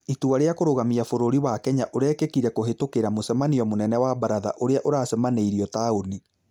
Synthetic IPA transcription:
ituaɾeakoɾoɣamiafoɾoɾiwakɛɲaʔoɾɛkekiɾɛkoɦetokeɾamosɛmaniɔmonɛnɛwabaɾaða̰ʔoɾeaʔoɾaːsɛmaneiɾiɔtaoni

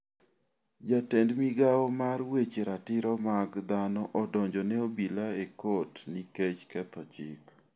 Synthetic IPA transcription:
d͡ʒatendmiɡaɔmarwet͡ʃeɾatɪɾɔmaɡd̪anɔʔɔdɔɲd͡ʒɔnɛobilaekotniket͡ʃkɛt̪ɔt͡ʃɪ̰k

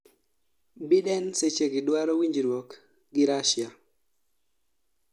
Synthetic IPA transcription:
bɪɗɛnset͡ʃeɡɪdwaɾɔwiɲd͡ʒiɾwɔk | ɡɪɾaʃja

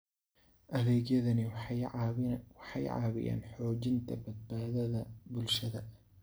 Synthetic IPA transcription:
ʔɐðɛːɡjɐðɐnɪ | wɑħɑjʕa̰ːβɪ̰jʔa̰ːnħɔːd͡ʒɪnt̪ʰɐbɐd̪̚baːðɐðɐbʊlʃɐðɐ

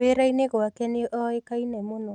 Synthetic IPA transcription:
eɾaineɣoakɛneʔɔekainɛmonɔ

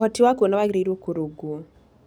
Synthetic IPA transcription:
ɔtiwakonɔwaɡɾeɾwokoɾoɡo

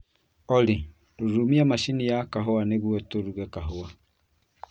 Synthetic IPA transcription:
ɔli | ɾoɾumiamaʃinijakaɦoaneβwɛtoɾuɣɛkaɦoa

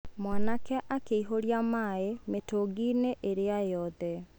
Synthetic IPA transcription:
mwanakɛʔakeiɦoɾjamaemetoɡineʔeɾeajɔðɛ

